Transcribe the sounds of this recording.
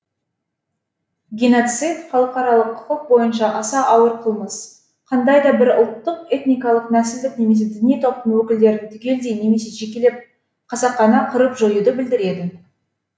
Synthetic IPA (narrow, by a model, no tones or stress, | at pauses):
ɡʲeno̞t̪sit̪χɑlˠəqɑɾɑlˠəqʰːʊ̥qəq̚bo̞jənʃɑʔɑsɑʔɑwəɾqʰəlˠməs | qʰɑnd̪ɑjd̪ɑbɪɾʊlˠt̪ːəqe̞t̪nijkɑlˠəqnæsɪld̪ɪkne̞me̞s̬e̞d̪ʏniijt̪ʰo̞p̚t̪əɴwɵkʲɪld̪e̞ɾɪnt̪ʰʏkʲe̞ld̪ejne̞me̞se̞ʒe̞kʲele̞p̚ | qʰɑzɑqːɑnɑqʰəɾəpʒo̞jud̪əbɪld̪ɪɾe̞d̪ɪ